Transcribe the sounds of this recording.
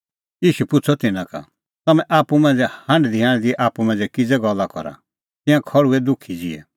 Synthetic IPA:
jiːʃupʊt͡sʰɔt̪ɪnãka̰ | t̪ɐmɛ̃ʔaːpumɛ̃ːnd͡zɛhɐ̃ɳɖd̪iɦãːɽ̃d̪iɛʔaːpumɛ̃ːnd͡zɛkɪd͡zɛɡɔlːakɔ̰ɾa̰ | t̪ɪ̃jãkʰɔɭuɛd̪ʊkʰid͡zḭɛ̰

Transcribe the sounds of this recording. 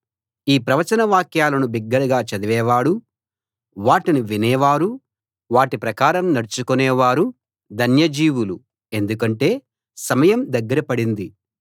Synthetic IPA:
iːpɾɐʋɐt͡ʃɐnɐʋaːkjaːlɐnubiɡːɐɾɐɡaːt͡ʃɐd̪iʋɛːʋaːɽu | ʋaːʈiniʋinɛːʋaːɾu | ʋaːʈipɾɐkaːɾɐmnɐɽut͡ʃukunɛːʋaːɾu | d̪ʱɐnjɐd͡ʒiːʋulu | e̞nd̪ukɐɳʈe̞ː | sɐmɐjɐmd̪ɐɡːɐɾɐpɐɽind̪i

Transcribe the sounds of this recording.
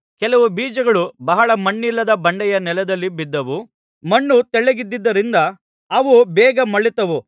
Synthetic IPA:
kɛlɐʋubiːd͡ʒɐɡɐɭubɐɦɐɭɐmɐɳːilːɐd̪ɐbɐɳɖɛjɐnɛlɐd̪ɐlːibid̪ːɐʋu | mɐɳːut̪ɛɭːeɡid̪ːid̪ːɐɾind̪ɐː | ʋubɛːɡɐmɐɭːit̪ɐʋu

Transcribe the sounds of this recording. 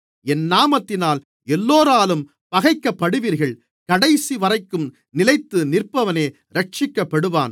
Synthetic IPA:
ɛnːaːmɐt̪ːɪnaːl | ɛlːoːɾaːlɯm | pɐɣɐɪkːɐpːɐɽɯʋiːɾɣɐɭ | kɐɽɐɪsiʋɐrɐɪkːɯm | nɪlɐɪt̪ːɯnɪrpːɐʋɐneː | ɾɐʈ̚t͡ʃɪkːɐpːɐɽɯʋa̰ːn

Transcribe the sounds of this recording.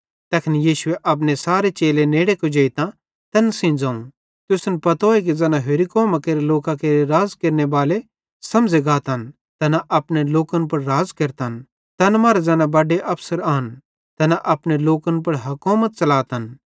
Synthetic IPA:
t̪ɛːkʰnjiːʃʊeʔɐp̬nesaːɾet͡ʃeːleneːɽekod͡ʒeːit̪ã | t̪ɐnsɪ̃d͡zãːũ | t̪ʊsnpɐt̪oːek̬ed͡zɛːnaɦeɾikoːmakeːɾeloːkãkeːɾeɾaːzkeːɾnebaːle | sɐ̃md͡zeɡaːt̪ɦɐn | t̪ɐnaʔɐpneloːkənpɐɽːaːzkɐɾt̪ɦn | t̪ɐnmaːɾad͡zɛːnãbɐɖeʔɐpsəɾaːn | t̪ɐnaʔɐpneloːkənp̬ɐɽɦɐkoːmət̪̚t͡ʃɐlaːt̪ɐn

